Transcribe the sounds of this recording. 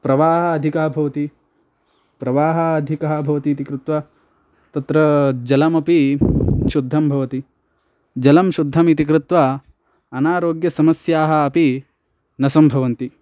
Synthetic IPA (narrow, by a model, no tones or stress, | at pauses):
pɾɐʋaːɦɐːd̪ʱikaːbʱɐʋɐt̪i | pɾɐʋaːɦɐːd̪ʱikaɦɐbʱɐʋɐt̪iːt̪ikɾɪt̪ʋɐ | t̪ɐt̪ɾɐd͡ʒɐlɐmɐpi | ʃud̪ʱːɐmbʱɐʋɐt̪i | d͡ʒɐlɐmʃud̪ʱːɐmit̪̬ikɾut̪ʋa | ɐnaːɾoːɡjɐsɐmɐsjaːɦɐɐpi | nɐsɐmbʱɐʋɐnt̪i